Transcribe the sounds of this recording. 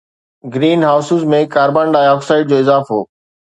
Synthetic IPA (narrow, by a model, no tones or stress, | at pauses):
ɡɾiːnɦaːʊsɪzmẽkaːɾbãːɳɖaːɔːksaːɪɖ̚d͡ʑoːɪzaːfo̰ː